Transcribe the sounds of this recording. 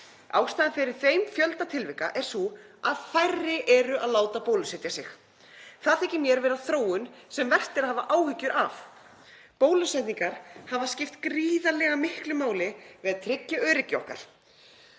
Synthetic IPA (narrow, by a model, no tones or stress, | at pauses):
a̰wst̪aːðɪnfɪɾɪɾ̥θejmfjœlt̪at̪ʰɪlvɪhkaʔɛɾ̥suaðfajrːɪʔɛɾʏʔaðlaːwt̪apoːwlʏsɛt̪jasɪx | θaðθɛcɪmjɛɾvɛːɾaθɾoːwʏnsɛmvɛr̥t̪ɪɾaðhavaʔaːwhʏcːʏɾʔa̰f | poːwlʏsɛt̪niŋkaɾ̥havascɪft̪kɾiːðalɛɣamɪhklɪmaːwlɪvɪðaðt̪ʰɾɪcːʏœːɾɪcːɪɔ̰hka̰ɾ̥